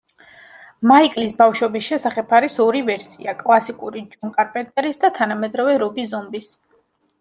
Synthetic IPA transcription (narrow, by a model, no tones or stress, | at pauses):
maikʼlisbafʃɔbisʃɛsaχɛbʰaɾisɔɾivɛɾsḭakʼlˠasikʼuɾid͡ʒɔŋkʼaɾpʼɛt̪ʼɛɾisd̪at̪ʰanamɛd̪ɾɔvɛɾɔbizɔmbis